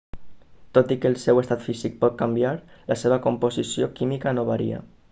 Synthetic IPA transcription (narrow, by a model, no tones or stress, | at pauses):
t̪ot̪ikəlˠsewest̪at̪fizik̚pɔt̪̚kambjaɾlaseβ̞akumpozisiokimikanoβaɾḭa̰